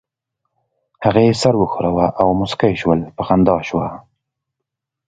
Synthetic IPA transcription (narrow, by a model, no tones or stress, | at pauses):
haɣejesaɾwəxʊɾawaʔawmʊskajʃwəlpəxand̪ɑʃwa